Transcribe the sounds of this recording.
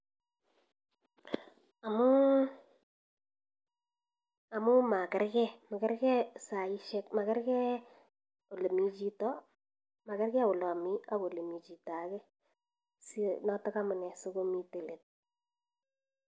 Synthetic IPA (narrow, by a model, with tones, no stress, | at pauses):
a˨mʊ˦ | a˨mʊ˦ma˨kɪ˦ɾkɛ˦ma˨kɛ˦ɾkɛ˦sa˨i˦ʃe˦k̚ma˨kɛ˦ɾkɛ˦ | o˨le˨mi˨t͡ʃi˦tɔ˦ | ma˨kɛ˦rkɛ˦ʊ˨lɔ˨mi˦a˦ko˨le˨mi˨t͡ʃi˨ta˨kɛ˦ | si˦nɔ˦tɔ˦ka˦mʊ˨nɛ˨so˦ko˦mi˦te˨le˨t̚